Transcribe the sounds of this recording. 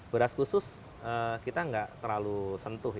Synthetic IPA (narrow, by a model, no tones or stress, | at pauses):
b̥əɾaskusʊs | əkit̪aŋɡaʔt̪ərlalusənt̪ʊɦ